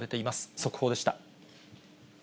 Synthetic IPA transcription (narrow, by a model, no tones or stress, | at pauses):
ɾe̞t̪e̞imasɨ̥so̞kɯ̟ho̞ːd̪e̞ɕi̥t̪a